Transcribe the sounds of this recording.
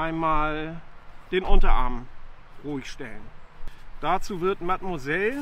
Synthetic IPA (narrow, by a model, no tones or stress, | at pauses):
ʔaɪnmaːl | d̥eːnʔʊntɐʔa̰ɐmən | ʁuːɪçʃtɛlənd̥at͡suːvɪɐtmatmozɛl